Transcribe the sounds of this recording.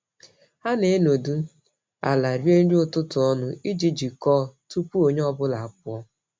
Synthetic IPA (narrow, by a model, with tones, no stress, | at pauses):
ha˦ne˨e˦no˨du˦ | a̰˨la˨ɾje˦ɾi˦ʊ˦tʊ˦tʊ˨ɔ˦nʊ˦i˦d͡ʒi˨d͡ʒi˨kɔː˦˨tu˦pu˦o˨ɲ˦ɔ˦bʊ˦la˨a˨k̚ʊ˦ɔ˦